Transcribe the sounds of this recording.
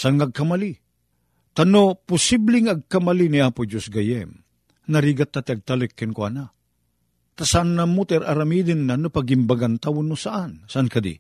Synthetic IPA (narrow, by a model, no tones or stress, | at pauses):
saanŋaaɡ̚kamali | t̪anopʊsiblɪŋaɡ̚kamaliniaːpʊd͡ʒosɡajɛm | naɾiːɡat̪ːat̪ɪaɡ̚t̪alʊkːɪnkwana | t̪asaanːamʊt̪ɛɾaɾamiːd̪ɪnːanopaɡimbaɡant̪awʊnmʊsaʔansaʔankad̪ḭ